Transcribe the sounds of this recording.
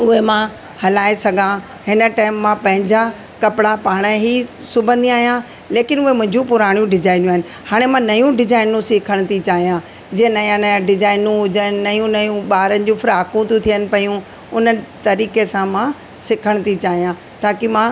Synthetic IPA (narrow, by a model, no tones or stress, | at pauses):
ʊɦemã | hɐlaːesɐɡʱã | hɪnə̆ʈaːɪmːãpɐ̃ɦɪ̃ɲd͡ʑa | kɐpɪɽapaːɽ̃əɦi | sʊbʱə̃nd̪iaːɦijã | leːkɪnʊɦemʊ̃ɦɪ̃ɲd͡ʑũpʊɾaːɽ̃jũɖɪzaːɪnjũaːɦɪnɪ̆ | haːɽ̃emãnɐjũɖɪzaːɪnũsɪkʰəɽ̃t̪ʰit͡ɕaːɦijã | d͡ʑeẽnɐjãnɐjãɖɪzaːɪnũɦʊd͡ʑənɪ̆ːɐjũnɐjũɓaːɾənɪ̆d͡ʑũfɪɾaːkũt̪ʰũt̪ʰijənɪ̆pɐjũ | ʊnət̪ɐɾiːkesãmã | sɪkʰəɽ̃t̪ʰit͡ɕaːɦijã | t̪ʰaːkimã